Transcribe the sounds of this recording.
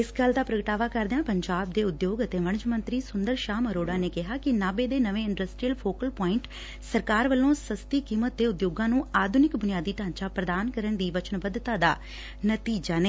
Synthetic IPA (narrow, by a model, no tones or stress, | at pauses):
ɪsɡəld̪aːpɾəɡəʈaːʋaːkəɾd̪eãːpəɲd͡ʒaːb̚d̪eːʊd̪joːɡət̪eːʋəɳ̃t͡ʃmə̃nt̪ɾiːsʊnd̪əɾʃaːməɾoːɽaːneːkɪɦaːkɪnaːbeːd̪eːnəʋẽːɪɳɖəsʈɾiːəlpʰoːkəlpɔːɪɳʈ | səɾkaːɾʋəlõːsəst̪iːkiːmət̪̚d̪eːʊd̪joːɡãːnũːaːd̪ʱʊnɪkbʊnɪijaːd̪iːt̪ãːɲt͡ʃaːpɾəd̪aːnkəɾəɳd̪iːʋət͡ʃənbəd̪t̪aːd̪aː | nət̪iːd͡ʒaːneː